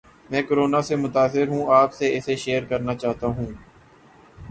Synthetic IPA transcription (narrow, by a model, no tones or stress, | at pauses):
mɛ̃ːkoɾoːnasemʊt̪aːsɪɾɦũaːpseɪseʃeːəɾkəɾnat͡ʃaːɦt̪aɦũː